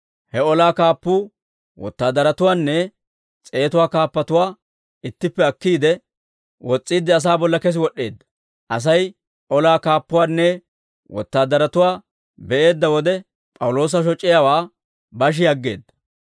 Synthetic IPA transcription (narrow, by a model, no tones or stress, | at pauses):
hɛɔlaːkaːpːuː | wɔ̰t̪ːaːd̪ɐɾɐt̪ʊwaːnːɛ | t͡sʼe̞ːt̪ʊwaːkaːpːɐt̪ʊwaː | ɪt̪ːɪpːɛɐkːiːd̪ɛ | wɔt͡sʼːiːd̪ːɪɐs̬aːbɔlːɐkɛs̬ɪwɔɗe̞ːd̪ːɐ̥ | ʔɐs̬ɐj | ʔɔlaːkaːpːʊwaːnːɛ | wɔ̰t̪ːaːd̪ɐɾɐt̪ʊwaː | bɛʔe̞ːd̪ːɐwɔd̪ɛ | pʼɐwʊlo̞ːs̬ɐʃɔt͡ʃʼːɪjawaː | bɐʃ̬ɪjɐɡːe̞̰ːd̪ːɐ̥